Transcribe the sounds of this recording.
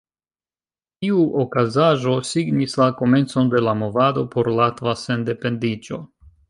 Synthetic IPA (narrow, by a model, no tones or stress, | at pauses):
tiuʔokazaʒo̞siɡnislako̞me̞nt͡so̞nde̞lamo̞vado̞pʰo̞ɾlatvase̞nde̞pe̞ndid͡ʒo̞